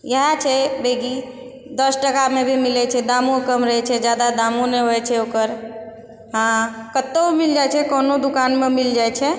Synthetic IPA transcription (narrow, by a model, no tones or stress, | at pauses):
jəɦat͡ʃʰɛbʱeɡi | d̪əsʈəkamebʱimilɛt͡ʃʰɛd̪amõkəmɾəɦɛt͡ʃʰɛd͡ʒjad̪ad̪amõneɦoɛt͡ʃʰɛokəɾ | ɦãkət̪ːəbmild͡ʒajt͡ʃʰɛkɔːnod̪ukanmemild͡ʒajt͡ʃʰɛ